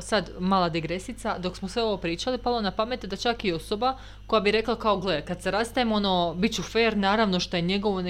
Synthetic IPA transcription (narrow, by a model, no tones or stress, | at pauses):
sad̪maːlˠad̪iɡɾesit̪sad̪o̞ksmosʋeo̞ʋo̞pɾiːt͡ʃalipalˠonapame̞t̪d̪at͡ʃakio̞so̞ba | ko̞jabiɾe̞klˠakaoɡlˠekad̪seɾast̪ajemo̞nobit͡ɕufeːɾnaːɾaʋno̞ʃt̪ojeɲe̞ɡo̞ʋon